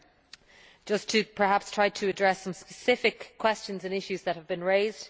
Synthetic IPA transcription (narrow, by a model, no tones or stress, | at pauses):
d̥ʒ̥ʌstʰəpʰə˞ɦapstʰɹ̥aɪtʰəːdɹɛsʌ̃mspəsɪfɪkʰw̥ɛst͡ʃə̃nzə̃nɪʃʉzðət̚həvbĩnɹeɪzd̥